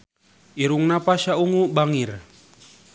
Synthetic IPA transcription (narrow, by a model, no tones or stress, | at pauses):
ʔiɾuŋnapaʃauŋubaŋir